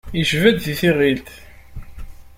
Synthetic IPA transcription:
jiʒvæd̪ðiθiʁilt̪

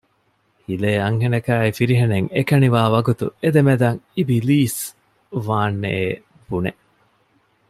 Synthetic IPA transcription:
hileːɐŋɦenɐkæːifiɾiɦeneŋekɐniʋaːʋɐɡut̪ṵed̪emed̪ɐŋibiliːs | ʋaːnːḛeː | b̥unḛ

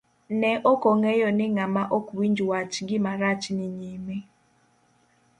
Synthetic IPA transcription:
nɛʔɔkɔŋɛjɔnɪŋamaʔɔkwiɲd͡ʒuwat͡ʃɡɪmaɾat͡ʃnɪɲime

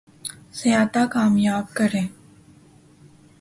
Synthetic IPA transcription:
sɐjaːt̪akaːmjaːbkəɾẽː

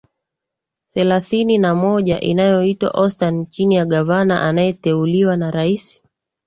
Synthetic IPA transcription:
θɛlaθininamɔʄaʔinajɔitwa̰ʔɔstant͡ʃinijaɠavana̰ʔanajɛtɛuliwanaɾaisi̥

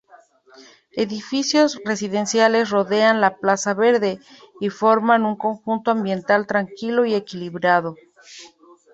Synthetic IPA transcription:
e̞ðifisjo̞zre̞siðe̞nsjale̞s̬ro̞ðe̞anlaplasaβe̞ɾðe̞ | ifo̞ɾmanuŋko̞ŋxunt̪oambje̞nt̪alt̪ɾaŋkilo̞ie̞kiliβɾað̞o̞

